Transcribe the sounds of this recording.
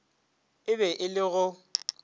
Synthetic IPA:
ɪbɛʔɪlɪɣʊ

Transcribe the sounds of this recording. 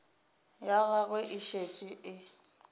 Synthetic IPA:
jaɣaɣʊʔɪʃet͡ʃʼɪɪ

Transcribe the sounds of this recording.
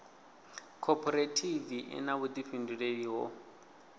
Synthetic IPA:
kʰɔpʰɔɾetʰiviʔɛ̰naβut̪iɸinduɺediɦɔ̰

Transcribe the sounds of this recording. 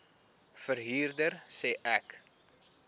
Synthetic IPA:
fərɦiːrdərsɛːʔæk

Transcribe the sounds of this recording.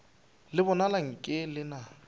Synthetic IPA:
lɪbɔnalaŋ̩kʼɪlɪna

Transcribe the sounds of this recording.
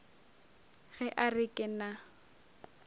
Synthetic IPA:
ɣɛʔarɪkʼɪna

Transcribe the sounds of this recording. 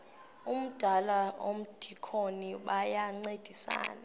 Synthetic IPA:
um̩d̥ʱalaʔo̰m̩d̥ʱikʰoniɓajaŋ͡ǀed̥ʱisa̰ːna

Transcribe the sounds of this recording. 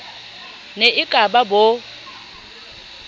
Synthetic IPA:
neʔɪkʼababo

